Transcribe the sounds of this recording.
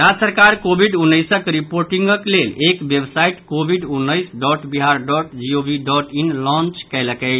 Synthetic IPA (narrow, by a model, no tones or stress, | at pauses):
ɾad͡ʒsəɾkaɾkobʱiɖunːəɪsəkɾipoɾʈiŋɡəklelekbebsaiʈkobʱiɖunːəɪsɖɔʈbiɦaɾɖɔʈd͡ʒiobiɖɔʈinlɔ̃nt͡ʃkɛjləkə